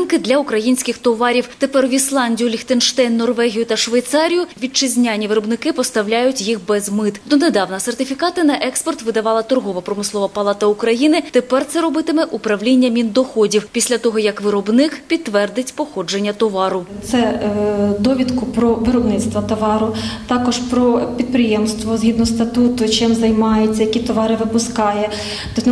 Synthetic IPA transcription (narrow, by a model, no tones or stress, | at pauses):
nkɪd̪lʲɐʊkɾɐjinʲsʲkɪxt̪ɔʋɑɾʲiwt̪epɛrʋʲislˠɑnʲdʲijʊlʲixt̪enʃt̪ɛjnːɔrʋɛɦʲijʊt̪ɐʃʋɐjt̪sɑɾʲijʊʋʲit͡ʃɪzʲnʲanʲiʋɪɾɔbnɪkɪpɔst̪ɐwlʲajʊtʲjixbɛzmɪt̪d̪ɔned̪ɑwnɐsert̪ɪfʲikɑt̪ɪnɐʔɛkspɔrt̪ʋɪd̪ɐʋɑlˠɐt̪ɔrɦɔʋɐpɾɔmɪsˠɔʋɐpɐlˠɑt̪ɐukɾɐjinɪt̪epɛrt̪sɛɾɔbɪt̪ɪmɛʔupɾɐʋlʲinʲːɐmʲind̪ɔxɔdʲiwpʲisʲlʲɐt̪ɔɦɔjɐkʋɪɾɔbnɪkpʲid̪ːʋɛrd̪ɪtʲpɔxɔd͡ʒenʲːɐt̪ɔʋɑɾʊt̪sɛ | d̪ɔʋʲid̪kʊpɾɔʋɪɾɔbnɪt̪st̪ʋɐt̪ɔʋɑɾʊt̪ɑkɔʒpɾɔpʲid̪̚pɾɪjɛmst̪ʋɔzɦʲid̪nɔɦɔst̪ɐt̪ut̪ʊt͡ʃɪmzɐjmɑjet͡sʲːɐjɐkʲit̪ɔʋɑɾɪʋɪpʊskɑjɛ | t̪ɔ